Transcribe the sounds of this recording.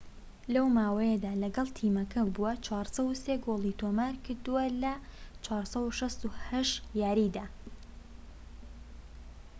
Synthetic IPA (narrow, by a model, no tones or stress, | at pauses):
lɐwmaːwɐjed̪aːlɐɡɐlˠt̪ʰiːmɐkʰɐbuwɐt͡ʃʰwaːɾsɐwuseɡolˠit̪ʰomaɾkʰɨɾd̪uwɐlɐt͡ʃʰwaːɾsɐwuʃɐst̪uhɐʃtjaːɾid̪aː